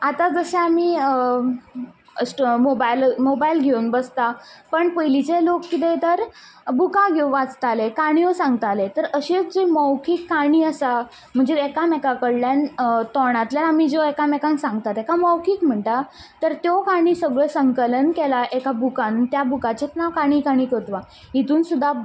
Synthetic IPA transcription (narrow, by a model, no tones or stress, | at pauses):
at̪ad͡zəɕeamiː | sʈmobajlmobailɡʱeunbəst̪apəɳpəjlit͡ɕelokːit̪̬et̪əɾ | bukãɡʱɔwʋat͡st̪alekaɽ̃iosãŋɡt̪alet̪əɾəɕet͡sd͡ʑeməwkʰiːkːaɽ̃iːəsa | m̤əɳd͡zeɛkamɛkakəɽljant̪ɔɽ̃at̪ljanamid͡zɔekamɛkãŋksãŋɡt̪at̪ekaməwkʰiːkm̤əɳʈa | t̪əɾt̪jɔkaɽ̃iːsəɡɭəsəŋkələnkelaʔekabukãnt̪jabukat͡ɕet̪nakaɽ̃ikaɽ̃iːkət̪ʋa | it̪uːnsud̪ʱːa